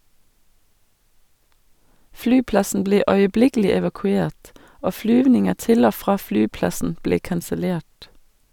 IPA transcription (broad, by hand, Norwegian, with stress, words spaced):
ˈflyːˌplɑsn̩ ˈbleː œʏəˈblɪkl̩ɪ ɛʋɑkʉˈeːʈ ˈoː ˈflyːʋnɪŋə ˈtɪl ˈoː ˈfʁɑː ˈflyːˌplɑsn̩ ˈbleː kɑnsəˈleːʈ